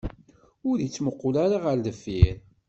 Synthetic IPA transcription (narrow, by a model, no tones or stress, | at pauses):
ʊɾit͡sːməqːʊlaɾaʁəɾləfːiɾ